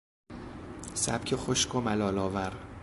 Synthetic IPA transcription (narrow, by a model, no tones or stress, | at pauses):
sæ̰b̥̚cʲʰexoʃkʰomælɒːlɒːvæɾ